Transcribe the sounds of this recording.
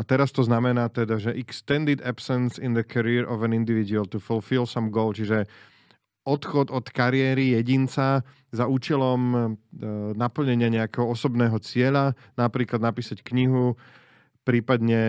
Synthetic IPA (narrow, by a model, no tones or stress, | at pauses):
at̪ɛɾast̪ɔznamɛnaːt̪ɛd̪aʒɛʔɛkst̪ɛnd̪id̪apsɛnsind̪əkʰaɾiɾʔɔvɛ̃nind̪iʋid̪ualt̪ufulfilsamɡɔʊlt͡ʃiʒɛ | ɔt̪xɔd̪ɔt̪kaɾɪɛːɾijɛɟint͡sa | zauːt͡ʃɛlɔm | napl̩ɲɛɲɪaɲɛakɛːɦɔɔsɔbnɛːɦɔt͡sɪɛʎa | napɾiːklad̪napiːsackɲiɦu | pɾiːpad̪ɲɛ